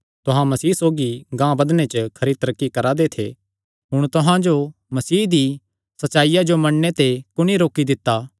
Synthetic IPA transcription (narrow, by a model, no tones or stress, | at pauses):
t̪ʊɦãmɐsiːsoːɡiɡãːbɐd̪net͡ʃəkʰɐɾit̪ɐɾəkːikɐɾad̪et̪ʰḛ | ɦʊɽ̃t̪ʊɦãd͡ʒo | mɐsiːɦd̪i | sɐtːʃaːijad͡ʒomɐɳnet̪ekʊñiɾoːkid̪ɪt̪ːaː